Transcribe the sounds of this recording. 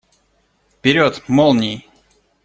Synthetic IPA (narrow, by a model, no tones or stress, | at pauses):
fpʲɪɾʲot̪molˠnʲij